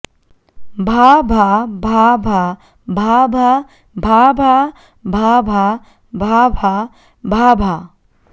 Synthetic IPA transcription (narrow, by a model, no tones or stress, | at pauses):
bʱabʱabʱabʱa | bʱabʱa | bʱabʱa | bʱabʱa | bʱabʱa | bʱabʱa